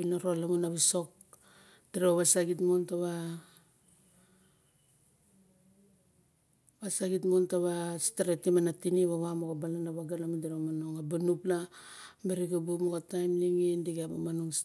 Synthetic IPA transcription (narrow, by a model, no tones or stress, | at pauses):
inaɾolamunaβiso̞k̚ | d̥iɾeβaβasaɡitmontaβa | βasaɡitmontaβastaɾetimanatiniβaβamokabalanaβaɡanamundiɾaamanoŋabanuplameɾikabumokatajmliŋindiɡamamanuŋs